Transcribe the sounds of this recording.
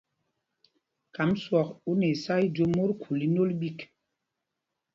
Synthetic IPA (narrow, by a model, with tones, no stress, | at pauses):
ka˨˦mswɔ˨ku˦ne˨sa˦i˦d͡ʒo˦mo˦ɾkʰu˨li˦no˦lɓi˦k